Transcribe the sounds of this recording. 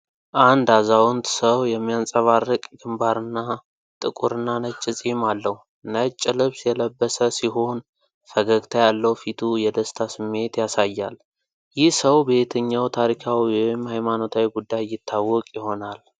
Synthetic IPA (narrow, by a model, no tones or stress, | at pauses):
ʔand̪azawɔnt̪səwjɛmːijansʼəβarːɨkʼɡɨmbaɾɨnːa | t̪ʼɨkʼuɾɨnːanət͡ʃʼːɪsʼimalːəhu | nət͡ʃʼːɪlɨβsjɛləbːəsəsiɦo̞n | fəɡəɡt̪ʰajalːəwfit̪ʰujɛd̪əst̪ʰasɨmːe̞t̪jasajːa̰l | jɪhsəwbet̪ʰəɲːawt̪ʰaɾikʰawiwɔjɪmhajmano̞t̪ʰawiɡud̪ːajjɪt̪ʰːawːɔkʼjɪho̞nal